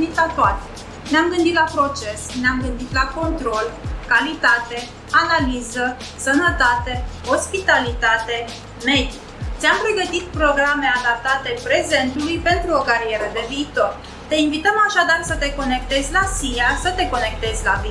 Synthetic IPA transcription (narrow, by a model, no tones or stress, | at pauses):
it̪lat̪oat̪e | neamɡɨnd̪it̪lapɾo̞t͡ʃe̞sneamɡɨnd̪it̪lako̞nt̪ɾo̞lkalit̪at̪e̞ | analizə | sənət̪at̪e̞ho̞spit̪alit̪at̪e̞ | me̞d̪i | t̪sʲampɾe̞ɡət̪it̪̚pɾo̞ɡɾame̞ad̪ap̚t̪at̪e̞pɾe̞ze̞nt̪ulujpe̞nt̪ɾuo̞kaɾie̞ɾəd̪e̞viːt̪o̞r | t̪e̞invit̪əmaʃad̪arsət̪e̞ko̞ne̞k̚t̪e̞zʲlasijasət̪e̞ko̞ne̞k̚t̪e̞zʲlavi